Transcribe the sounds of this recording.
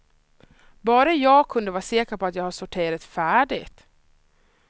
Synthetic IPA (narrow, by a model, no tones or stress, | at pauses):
bɑːɾajɑːɡkʰɵnd̪əvɑːɾseːkəpʰɔat̪jɑːɡhaʂsʊʈʰɪːɾat̪fæːɖɪ̰ɡt̪